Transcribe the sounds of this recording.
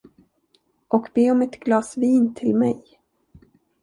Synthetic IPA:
ʔɔkbeːɔmɛt̪ɡlɑːsviːnt̪ʰɪlmɛ̰j

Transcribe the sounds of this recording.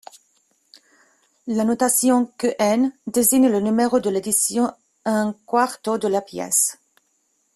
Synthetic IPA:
lanot̪asjɔ̃køʔɛnd̪eziɲlənymeʁod̪əled̪isjɔ̃ | ɛ̃kwaʁt̪od̪əlapjɛ̰s

